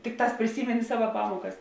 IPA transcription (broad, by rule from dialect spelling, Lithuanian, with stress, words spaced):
ˈtʲɪkˌtɑːs pʲrʲɪˈsʲiːmʲɛnʲɪ ˈsɑːʋɐ ˈpɑːmuɔkɐs